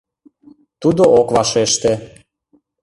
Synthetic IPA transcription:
t̪ud̪oʔokvɑʃeʃt̪ĕ

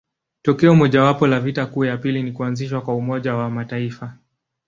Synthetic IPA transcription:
tɔkɛɔmɔʄawapɔlavitakuːjapilinikuanziʃwakwaumɔʄawamataifa

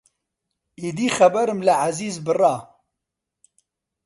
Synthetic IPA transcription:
id̪iːxɐbɛɾɨmlɨʕaziːzbɨrɑː

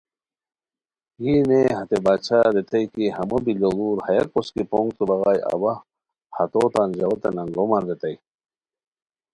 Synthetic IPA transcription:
jineɦɐt̪ebaːt͡ɕʰaɾet̪ɐjkihɐmɐbiloluːɾhɐjɐk̚poskipoŋɡt̪ubɐɣaːjɐ̰bɐ | hɐt̪oːt̪aːnʑɐwɐt̪enɐŋɡomɐnɾet̪ɐj

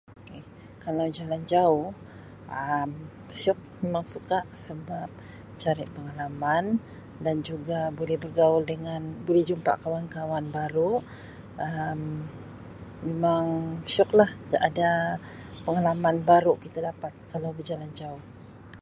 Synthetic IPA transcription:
kɛ | kalawd͡ʒaland͡ʒaʊh | ʔəm | ʃɔk̚memaŋsukaʔsəbap̚ | t͡ʃaɾɪʔpəŋalaman | dand͡ʒuɡabolɛhbərɡaʊldəŋanbolɛhd͡ʒumpa̰ʔkawankawanbaɾu | ʔəm | memaŋʃɔklahada | pəŋalamanbaɾuʔkit̪adapat̪̚kalawbərd͡ʒaland͡ʒaʊh

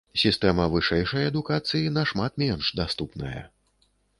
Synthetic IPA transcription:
sʲist̪ɛmɐvɨʂɛjʂɐjɐd̪ukat̪sɨjinɐʂmat̪mʲɛnʂd̪ast̪upnɐjɐ̰

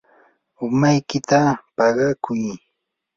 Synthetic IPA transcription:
ʊmajkɪt̪apɑɢɑkʊj

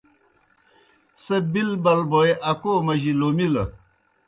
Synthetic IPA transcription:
sebilbɐlboeʔɐkoːmɐʑilomilɐ

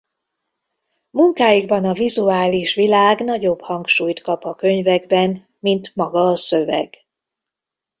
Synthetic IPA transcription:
muŋkaːjiɡbɒnɒvizuaːliʃʋilaːɡn̪ɒɟo̞bhɒŋkʃuːjt̪kɒpɒkø̞ɲvɛɡbɛn | mint̪mɒɡɒːsø̞vɛ̰ɡ̥

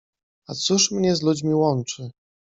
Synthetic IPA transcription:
at̪suʂmɲɛzlud͡ʑmʲiwɔnt͡ʂɘ

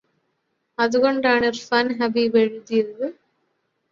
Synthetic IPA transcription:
ɐðɯɣɔɳɖaːnɐɾfɐnɦɐbiʋɛɻɯðijɾɯ

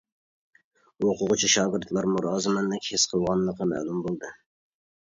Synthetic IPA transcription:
oqʰʊʁʊt͡ʃʰiʃɑːɡɨɾt̪lˠɑɾmuɾɑːzɨmɛnd̪ɨkʲʰhesqʰəlˠʁɑnlˠəqʰɑmæ̰lˠumbolˠd̪ɨ

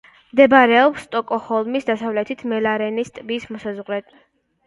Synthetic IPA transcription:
md̪ɛbaɾɛɔpst̪ʼɔkʼɔhɔlˠmisd̪asavlɛt̪ʰit̪ʰmɛlaɾɛnist̪ʼbismɔsazʁlɛt̪ʼ

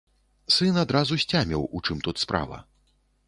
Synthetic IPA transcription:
sɨnad̪ɾazusʲt͡sʲamʲɛwut͡ʂɨmt̪ut̪spɾa̰vɐ̰

